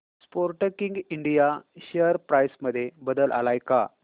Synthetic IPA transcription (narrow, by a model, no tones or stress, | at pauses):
spoɾʈəkiŋɡiɳɖijaɕeəɾpɾajsməd̪ʱːjebəd̪əlʔa̰lajka̰